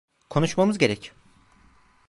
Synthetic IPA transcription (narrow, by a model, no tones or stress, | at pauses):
kʰo̞nuʃmamɯzɟeɾɛcʰ